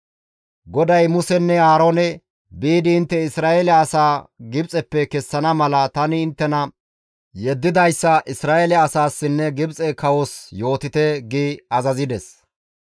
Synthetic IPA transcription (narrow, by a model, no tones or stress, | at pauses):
ɡɔd̪ɐjmʊsɛnːɛaːɾoːnɛ | biːd̪ɪːnt̪ːɛɪsɾaːʔɛlɛɐsaːɡɪbt͡sʼɛpːɛkɛsːɐnɐmɐlɐt̪ɐnɪːnt̪ːɛnɐ | jɛd̪ːɪd̪ɐjsːɐʔɪsɾaːʔɛlɛɐsaːsːɪnːɛɡɪbt͡sʼɛkɐwɔsjo̞ːt̪ɪt̪ɛɡiɐzɐzɪd̪ɛs